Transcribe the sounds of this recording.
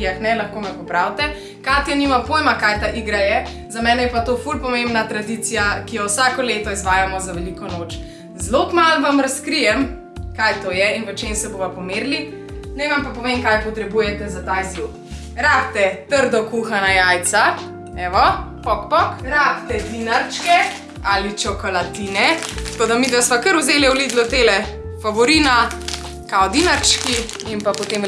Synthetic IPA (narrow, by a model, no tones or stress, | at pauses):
axnɛlɐxkoːmɛpɔpɾawt̪ɛ | kat̪janimapojmakajt̪aʔiɡɾajɛ | zamɛːnɛjɛpat̪oːfulpɔmẽmbnat̪ɾad̪it̪sijakijɔwsakɔleːt̪ɔizʋaːjamɔzaʋɛlikɔnoːt͡ʃ | zlokmalʋamɾɐskɾijɛm | kajt̪oːjɛinʋət͡ʃemsɛboʋapɔmeːɾli | nɛʋampapɔʋemkajpɔt̪ɾɛbujɛt̪ɛzat̪ajzuk | ɾaːp̚t̪ɛt̪əɾd̪ɔkuxanajajt̪sa | ɛʋɔpɔkpɔkɾapt̪ɛd̪inaɾt͡ʃkɛ | alit͡ʃɔkɔlat̪inɛt̪kod̪amid̪ʋɛsʋakəɾuzeːlɛwlid̪lɔt̪elɛ | faʋɔɾiːna | kaɔd̪inaɾt͡ʃki | impapɔt̪em